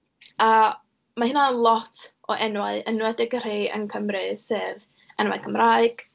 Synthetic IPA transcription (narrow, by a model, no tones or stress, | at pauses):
a | mahɪnalˠɔtʰʔɔʔɛnwaɨənwɛdɛɡər̥eːʔə̰nkʰəmrɨseːv | ɛnwa̰ɨkʰəmraɨɡ̥